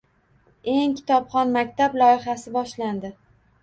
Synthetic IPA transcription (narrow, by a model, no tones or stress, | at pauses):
e̞ŋkʲʰɪ̥t̪ʰɒpχɒnmakʲt̪ʰablˠɒɪχasɪbɒʃland̪ɪ